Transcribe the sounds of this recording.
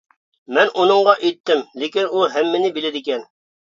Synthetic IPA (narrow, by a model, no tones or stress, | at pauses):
mænʔunɤ̆ɴʁɑʔit̪ːɘmlekʲɪnulˠɦæmːɘnɪbilæd̪ikʲɛn